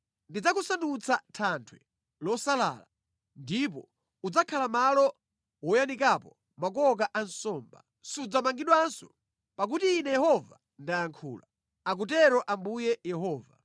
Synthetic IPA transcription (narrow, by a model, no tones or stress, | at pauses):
ndid͡zakusandut͡sʰatʰantʰwɛ | lɔsala̰ːla | ndip̬ɔ | ud͡zakʰalamalɔ | wɔjanikapɔ | mak̬ɔk̬aʔansɔːmba̰ | sud͡zamaŋɡiɗwansɔ | pak̬utiːnɛjɛhɔva̰ | ndajaŋkʰṵːla | ak̬ut̬ɛɾɔʔambujɛjɛhɔːva